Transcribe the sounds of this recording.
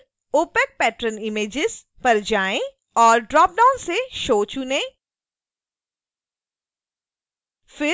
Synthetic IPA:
oːpɛk̚pɛːʈɾənɪmeːd͡ʒɪz | pɐɾd͡ʒaːẽ | ɔːɾɖɾɔːp̚ɖaːʊnseʃoːt͡ʃunẽ | fɪ

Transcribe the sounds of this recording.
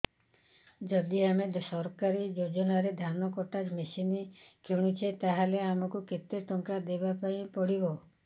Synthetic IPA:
d͡ʒɔd̪iamed̪sɔɾkaɾid͡ʒod͡ʒɔnaɾed̪ʱanɔkɔʈad͡ʒmesini | kʰeɽ̃ut͡ʃʰet̪aɦaleamɔkuket̪eʈɔŋkad̪ebapaĩpɔɽibo

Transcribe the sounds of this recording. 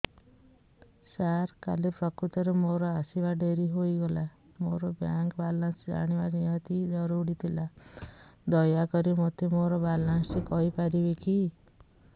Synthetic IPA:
saɾka̰lepɾɔkɾut̪ɔɾemoɾɔasibaɖʱeɾiɦoiɡɔla | moɾɔbjaŋkbalãnsd͡ʒa̰ɽ̃ibaɾijat̪id̪ɔɾuɽit̪ʰila | d̪ɔjakɔɾimot̪ʰemoɾɔbalansikɔipaɾibeki

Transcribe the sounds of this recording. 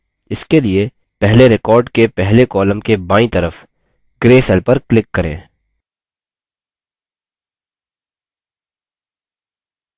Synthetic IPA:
ɪskelie | pɛɦleɾɪkɔːɾɖkepɛɦlekɔːləmkebãːĩt̪ɐɾəf | ɡɾeːsɛlpɐɾklɪkːɐɾḛ̃ː

